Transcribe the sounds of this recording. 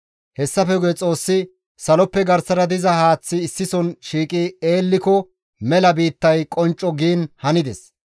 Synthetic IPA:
hɛsːɐfɛɡʊjɛt͡sʼo̞ːsːɪ | sɐlɔpːɛɡɐɾsɐɾɐd̪ɪzɐhaːt͡sːɪːsːɪsɔnʃiːkʼieːlːɪkɔ | mɛlɐbiːt̪ːɐjkʼɔnt͡ʃʼːɔɡiːnhɐnɪd̪ɛs

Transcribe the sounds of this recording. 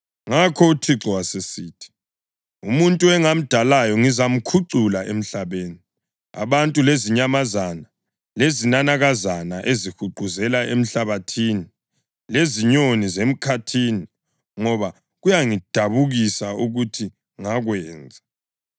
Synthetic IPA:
ŋakʰɔutʰiǁɔwasesiːtʰi̥ | umuntʼuɛŋam̩d̥ʱalajɔŋizam̩kʰuǀulaʔem̩ɬaβeːni | a̰βantʼuleziɲamazana | lezinanaɣazanaʔezixuɡ͡ǃʱuzɛlaem̩ɬaβatʰiːni | leziɲonizem̩kʰatʰini | ŋɔβa | ɣujaŋid̥ʱaβuɣisauɣutʰi | ŋaɣwɛːnd͡zʱa

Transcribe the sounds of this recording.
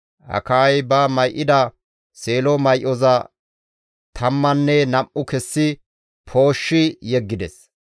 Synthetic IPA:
hɐ̰kajbɐmɐjʔɪd̪ɐ | se̞ːlɔmɐjʔɔzɐ | t̪ʰɐmːɐnːɛnɐmʔʊkɛsːɪ | pʰo̞ːʃːɪjɛɡːɪd̪ɛs

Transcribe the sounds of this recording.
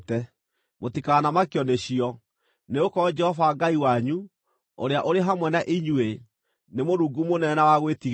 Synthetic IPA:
tɛ | motikaːnamakjɔneɕiɔ | neokɔd͡ʒɛhɔvaːɡaiwaɲu | o̰ɾeaʔoɾeɦamwɛnaʔiɲwe | nemoɾuːɡumonɛnawaɣwetiɣ

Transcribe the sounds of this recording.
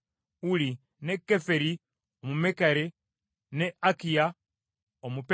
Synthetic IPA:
uli | nekːefeɾi | omumekaɾe | neakija | omup

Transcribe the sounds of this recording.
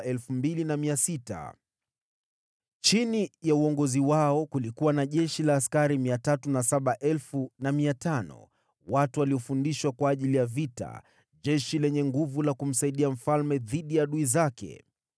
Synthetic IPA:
ɛlfumbilinamiasita̰ | t͡ʃinijauɔŋɡɔziwaɔkulikuwanaʄɛʃilaːskaɾimiatatunasaɓaʔɛlfunamiatanɔ̰ | watuwaliɔfundiʃwakwaːʄilijavita̰ | ʄɛʃilɛɲɛŋɡuvulakum̩saiɗiam̩falmɛðiɗijaɗuizakɛ̰

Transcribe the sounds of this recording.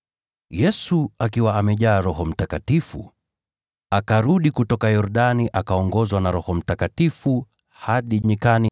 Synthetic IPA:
jɛsuakiwaːmɛʄaːɾɔɦɔm̩takatifṵ | akaɾuɗikutɔkajɔɾɗaniʔakaɔŋɡɔzwanaɾɔhɔm̩takatifu | haɗiɲikani

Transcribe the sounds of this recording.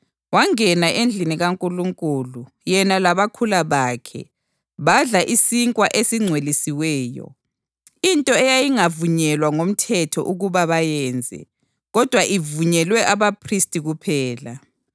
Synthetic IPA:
waŋɛnaʔend͡ɮʱiniɣaŋkʼuluŋkʼulu | jɛnalaβakʰulaβaːkʰɛ̰ | βaɮaʔisiŋkʼwaʔesiŋ͡ǀʱwelisiwɛːjɔ̰ | intʼɔɛjajiŋavuɲɛlwaŋom̩tʰɛtʰɔ̰ʔuɣuβaβajɛːnd͡zʱɛ̰ | ɣɔd̥ʱwaʔivuɲɛlwɛʔaβapʰristʼiɣupʰɛːla

